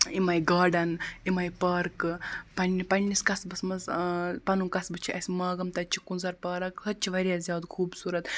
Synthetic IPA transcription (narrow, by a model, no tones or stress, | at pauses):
imɐjɡaːɾɖɐnimɐjpɐɾkpɐnipɐnʲniskɐsbɐsmɐzpɐnumkɐsbɨt͡ʃʰiʔɐsʲimɐɡɐmt̪ɐt͡ʃʰi̥kunzɐɾpɐːɾɐksɐt͡ʃʰiʋɐɾijaːzʲjaːd̪kʰuːbsuːɾɐt̪